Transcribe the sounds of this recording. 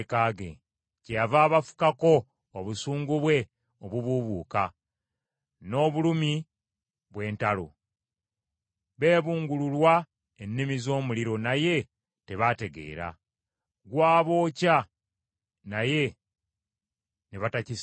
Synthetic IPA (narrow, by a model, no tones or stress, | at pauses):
kaɡḛ | cejavaːβafu̥kako̞ː | βusuːŋɡuβwe̞ | oβuβuβuːka̰ | no̞ːβulumi | βwe̞ːntalo̰ | βe̞ːβuːŋɡululwa | enːimizo̞ːmuliɾo̞naje̞ | te̞βate̞ɡe̞̰ːɾa̰ | ɡwaːβo̞ːca | naje̞ | neβataci